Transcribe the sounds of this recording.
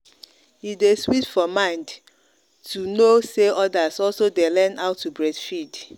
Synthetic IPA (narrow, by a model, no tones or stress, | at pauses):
itdeswitfɔmãɪ̃nd | tʰunoseʔɔdasɔlsodelɛ̃naʊtʰːubɹɛdfid